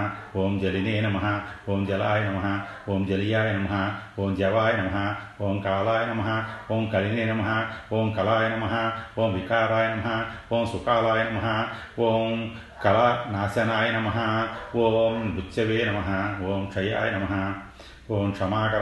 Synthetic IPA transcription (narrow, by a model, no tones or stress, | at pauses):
ʋoːmd͡ʒɐlineːnɐmɐɦɐ̆ʋoːmd͡ʒɐlaːjɐnɐmɐɦɐʋoːmd͡ʒɐlijaːjɐnɐmɐɦɐʋoːmd͡ʒɐʋaːjɐnɐmɐɦɐoːmkaːlaːjɐnɐmɐɦɐʋoːmkɐɭineːnɐmɐɦɐ̆ʋoːmkɐlaːjɐnɐmɐɦɐʋoːmʋikaːɾaːjɐnɐmɐɦɐʋoːmsukaːlaːjnɐmɐɦɐʋoːm | kɐlɐnaːsjɐnaːjɐnɐmɐɦɐʋoːmɾut͡ʃːɐʋeːnɐmɐɦɐʋoːmʂɐja̰ːjɐnɐmɐɦɐ | ʋoːmkʂɐmaːkɐɾ